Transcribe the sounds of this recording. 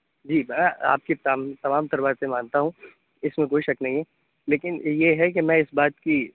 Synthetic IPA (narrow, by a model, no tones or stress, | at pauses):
d͡ʒiːmɛ̃a̰ːp̚kit̪amt̪ɐmaːmt̪ɐɾbaːsẽmãːnt̪aɦũ | ɪsmẽkoːiʃɐknɐɦĩɦɛː | leːkɪnjeɦɛk̬emɛ̃ːɪsbaːt̪ki